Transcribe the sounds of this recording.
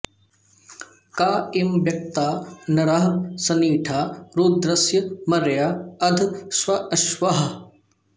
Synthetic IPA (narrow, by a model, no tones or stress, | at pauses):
kaːimʋjɐk̚t̪aːnɐɾɐɦɐsɐniːʈʰaːɾuːd̪ɾɐsjɐmɐɾjaːɐd̪ʱswɐɐʃʋɐɦɐ̆